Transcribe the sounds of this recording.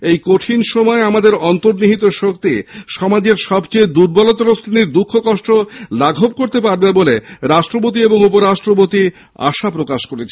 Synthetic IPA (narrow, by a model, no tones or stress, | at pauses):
ejkoʈʰinʃɔmɔeamad̪eɾɔnt̪oɾniɦit̪oʃok̚t̪iʃɔmad͡ʑeɾʃɔbt͡ɕejd̪uɾbɔlot̪ɔɾost̪ʰiniɾd̪ukʰːokɔʃʈolaɡʱob̚koɾt̪epaɾbeboleɾaʃʈɾopot̪ieboŋupoɾaʃʈɾop̬ot̪i | a̰ʃapɾokaʃkoɾet͡ɕʰe